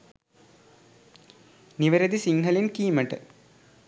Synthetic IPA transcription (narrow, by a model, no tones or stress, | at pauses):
niʋɐɾɐðisiŋɡʱɐlinkiːmɐʈːɨ